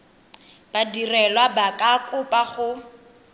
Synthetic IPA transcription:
b̥adirɛlwabakʼakʼʊpʼaχʊ

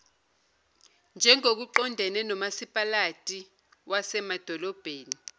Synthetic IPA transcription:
nd͡ʒʱɛŋok̬uǃɔndʱɛnɛnɔmasipʼalatʼi | wʔasɛmad̥ʱɔlɔb̥ʱeːni

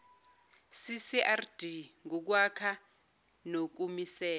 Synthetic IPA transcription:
sisiʔard̥iŋuk̬wakʰa | nok̬umisɛː

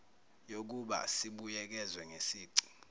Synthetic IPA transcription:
jok̬uɓa̰siɓujɛk̬ɛzwɛŋesiːǀi̥

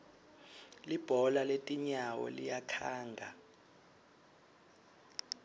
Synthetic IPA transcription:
lib̥ʱɔlaletʼiɲawɔ̰lijakʰaːŋɡʱa

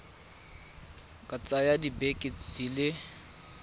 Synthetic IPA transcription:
kʼat͡sʼajadibekʼɪdilɪ

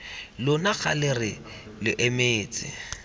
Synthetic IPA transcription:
lʊnak͡xa̰lɪrɪ | lɪʔemeːt͡sʼɪ̰

